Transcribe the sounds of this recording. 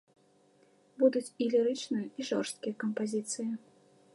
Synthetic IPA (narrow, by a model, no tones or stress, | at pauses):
bud̪ut͡sʲilʲiɾɨt͡ʂnɨjɐiʐɔrst̪̚kʲijɐkɐmpazʲit̪sɨji